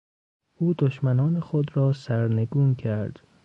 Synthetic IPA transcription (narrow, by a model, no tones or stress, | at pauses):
ʔuːd̪oʃmænɒːnexod̪ɾɒːsæɾneɡuːncʰæɾd̪̥